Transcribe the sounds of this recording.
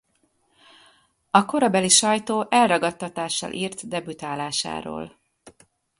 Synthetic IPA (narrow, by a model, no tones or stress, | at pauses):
ɒko̞ɾɒbɛliʃɒjt̪oːʔɛlrɒɡɒt̪ːɒt̪aːʃːɒ̰lʔiːrt̪d̪ɛbyt̪aːlaːʃa̰ːɾo̰ːl